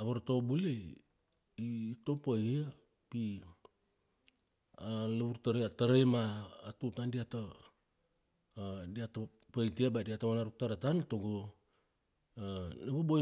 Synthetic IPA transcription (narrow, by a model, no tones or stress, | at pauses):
aβaɾtobule | iːto̞paha | pi | alaβuɾtaɾeataɾajmaːtutandiata | diatapajtiabadiatamanaɾuk̚taɾatanatoɡo | labobo